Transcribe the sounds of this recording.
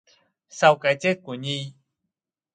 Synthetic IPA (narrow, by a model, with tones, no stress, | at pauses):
sa˧wka˨˧˦jt͡ɕe˦˥t̚kʷu˨˩˦ɲi˧